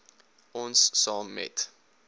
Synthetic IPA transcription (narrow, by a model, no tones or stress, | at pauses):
ɔnsːɑːmːɛ̰t